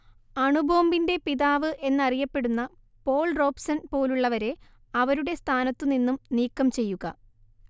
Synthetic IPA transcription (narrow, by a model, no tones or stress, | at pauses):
ɐɳubʱo̞ːmbinde̞piðaːʋɨʔe̞nːɐrijɐpːe̞ɽunːɐ | po̞ːɭro̞ːpsɐnpo̞ːluɭːɐʋɐɾe̞ | ɐʋɐɾuɽe̞st̪ʰaːnɐt̪ːuninːumniːkːɐmt͡ɕe̞jːuɣɐ̰